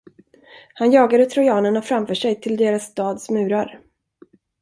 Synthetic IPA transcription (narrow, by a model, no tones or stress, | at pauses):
hanjɑːɡad̪ət̪ʰɾʊjɑːnənafɾamfœːʂɛjt̪ʰɪld̪eːɾasːt̪ɑːd̪smʉ̟ːɾaɾ